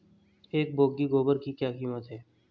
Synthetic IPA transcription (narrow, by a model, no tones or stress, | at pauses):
eːk̚boːɡiɡoːbəɾkikjaːkiːmət̪ɦɛː